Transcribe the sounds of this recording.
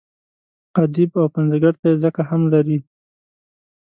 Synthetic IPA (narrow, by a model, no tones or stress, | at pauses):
qad̪ibawpanzaɡaɾt̪ajezəkahamlaɾi